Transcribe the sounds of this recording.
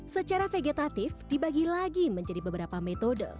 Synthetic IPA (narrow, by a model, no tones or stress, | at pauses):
sət͡ʃaɾafeɡet̪at̪ɪfd̥ibaɡilaɡiməɲd͡ʒadibəbəɾapamet̪odə̰